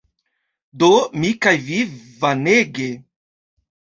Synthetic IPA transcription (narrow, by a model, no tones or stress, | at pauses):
d̪omikajvivaneɡe